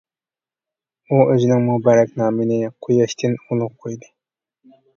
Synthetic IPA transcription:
uøzinɪŋmubɑɾɛk̚ʲnɑːmɪnɪqʰojɑʃt̪ʰɪnolˠʊqqʰojd̪ɨ

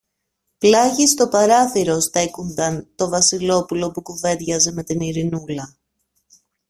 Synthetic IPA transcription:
plɐʝist̪o̞pɐɾɐθiɾo̞sθe̞kund̪ɐnt̪o̞vɐsilo̞pulo̞pukuve̞ðʝɐze̞me̞t̪iniɾinulɐ

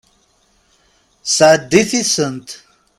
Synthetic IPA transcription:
sadifisənt

